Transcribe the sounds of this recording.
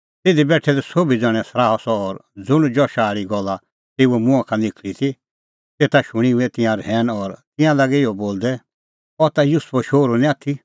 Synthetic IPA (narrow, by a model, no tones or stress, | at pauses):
t̪ɪd̪ibɛːʈʰɛd̪ɛsoːbid͡zɔɽ̃ɛ̃sɾaːɔsɔːɾd͡zʊɽ̃d͡ʒɔʃaːɾiɡɔlːa | t̪eːuɛmʊ̃ãkʰãnɪkʰlit̪ʰi | t̪eːt̪aʃʊɽ̃iɛt̪ɪ̃jãɾɛːnɔɾt̪ɪ̃jãlaɡɛɪɔboːld̪ɛ | ɔt̪ajʊspɔʃoːɾunĩaːt̪ʰi